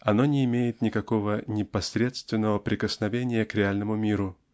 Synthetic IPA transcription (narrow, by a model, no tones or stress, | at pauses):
ɐno̞nʲɪːmʲejɪt̪nʲɪkɐko̞vənʲɪpɐsɾʲe̞t̪st̪vʲɪnːəvəpɾʲɪkəsnɐvʲenʲɪjəkɾʲɪalʲnəmʊmʲiɾʊ